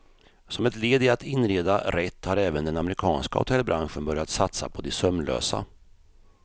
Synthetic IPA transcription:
sɔmɛt̪leːd̪ɪat̪ɪnɾeːd̪aɾɛt̪ːhaɾɛːvənd̪ɛnamɛɾɪkʰɑːnska̰hʊ̰t̪ʰɛlːbɾʔanɧənbœɾjat̪sat̪sa̰pʰɔd̪ɛsœmlø̰ːsa̰

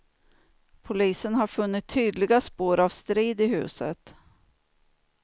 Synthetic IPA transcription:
pʰʊliːsənɦaɾfɵnːɪt̪ʰːyːd̪lɪɡaspoːɾavst̪ɾiːd̪ɪɦʉ̟̰ːsə̰t̪

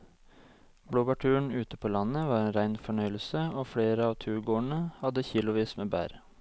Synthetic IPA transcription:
bɽoːbɑʈʰʉːɳ̩ʉːt̪əpʰoːlɑnəʋɑːɾeːnɾæɪnfɔɳœʏl̩səoːfɽeːɾəɑːʋt̪ʰʉːɾɡoːəɳəhɑd̪əçiːlʊʋiːsmeːbæ̰ːɾ

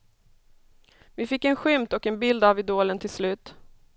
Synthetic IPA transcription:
vɪfɪkːɛnɧʏmt̪ɔkɛnbɪld̪avɪd̪oːlənt̪ʰɪlslʉ̟ːt̪

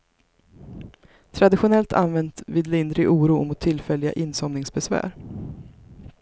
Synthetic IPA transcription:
t̪ʰɾad̪ɪɧʊnɛlt̪ʰa̰nvɛnt̪viːd̪lɪnd̪ɾɪʔuːɾuːmʊt̪ʰːɪlfɛlːɪɡa̰ʔɪnsɔmnɪŋsbɛsvæ̰ːɾ

